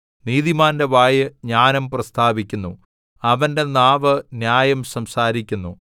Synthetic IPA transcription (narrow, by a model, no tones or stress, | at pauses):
niːðimaːnde̞ʋaːjɨɲaːnɐmprɐst̪ʰaːbikʲːunːṵ | ɐʋɐnde̞naːʋɨnjaːjɐmsɐmsaːɾikʲːunːṵ